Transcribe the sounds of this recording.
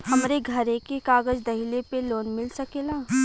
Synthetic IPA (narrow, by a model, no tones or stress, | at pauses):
hɐmɾeɡʱɐɾẽkekaːɡəd͡ʒd̪ɐɦilepeloːnmɪlsɐkeːlaː